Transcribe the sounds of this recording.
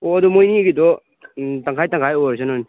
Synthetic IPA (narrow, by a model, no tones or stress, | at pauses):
ɔɐdɔmojniɡidɔ | taŋkʰajtaŋkʰajɔɾsanɔni